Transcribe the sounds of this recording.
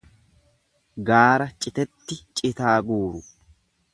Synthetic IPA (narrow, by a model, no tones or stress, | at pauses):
ɡaːɾɐt͡ʃʼɪt̪ɛt̪ːɪt͡ʃʼɪt̪aːɡuːɾʊ